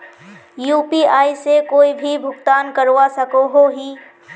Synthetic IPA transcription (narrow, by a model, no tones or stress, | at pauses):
juːpiaːisekoːibʱibʱʊkt̪aːnkəɾwasəkoɦoɦi